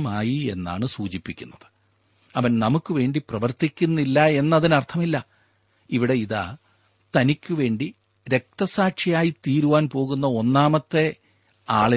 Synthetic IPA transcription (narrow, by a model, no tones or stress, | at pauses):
maːjie̞̰nːa̰ːɳɨsuːt͡ɕipːikʲːunːɐðɨ̥ | ɐʋɐnnɐmukːɨʋe̞ːɳɖiprɐʋɐrt̪ikʲːunːilːɐe̞nːɐðinɐrt̪ʰɐmilːɐ | iʋiɽe̞iða̰ː | t̪ɐnikʲːuʋe̞ːɳɖi | ɾe̞k̚t̪ɐsaːʈʂɐjaːjit̪iːɾuʋaːnpo̞ːɣunːɐo̞nːaːmɐt̪ːe̞ | aːɭi